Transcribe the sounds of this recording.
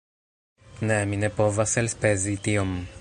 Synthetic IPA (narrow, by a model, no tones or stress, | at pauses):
nɛminepovaselspezit̪iom